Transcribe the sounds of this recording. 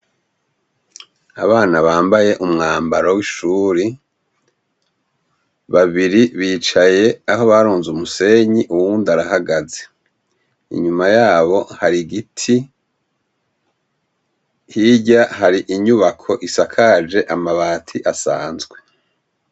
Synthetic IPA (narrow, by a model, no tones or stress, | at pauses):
a̰βaːnaβaːmbaje̞ʔumŋaːmbaɾowiʃuːɾi | βaβiɾiβiːt͡ʃaje̞aɦo̞βaɾuːnzumuse̞ɲiʔuwuːndaɾahaɡaze | ḭɲumajaːβo̞haɾiɡitʰi | hiɟaɦaɾiʔiɲuβakʰo̞ʔisakʰad͡ʒe̞ʔamaβaːtʰiʔasaːnzɡwe̞